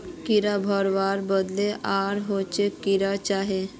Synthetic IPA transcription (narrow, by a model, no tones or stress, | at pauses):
kiɾabʱəɾʋaːɾbəd̪leʔaːɾɦot͡ʃekiɾat͡ʃaɦe